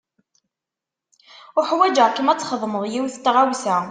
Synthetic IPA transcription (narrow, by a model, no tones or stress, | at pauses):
ʊħwæd͡ʒəʁkəmæt͡sːχəðˤməðˤjiwθt̪ːʁawθæ